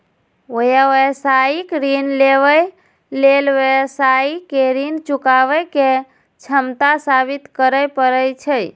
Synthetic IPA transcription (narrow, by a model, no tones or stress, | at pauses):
ojaʋesaikɾinleʋə | lelʋesaikeɾint͡ʃukaʋəke | t͡ʃʰəmt̪asabit̪kəɾəpəɾəjt͡ʃʰəj